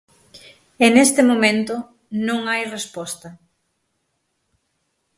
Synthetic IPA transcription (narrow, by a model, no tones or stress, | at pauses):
enest̪ɪmomẽnt̪ʊ | nõŋajrespɔst̪ɐ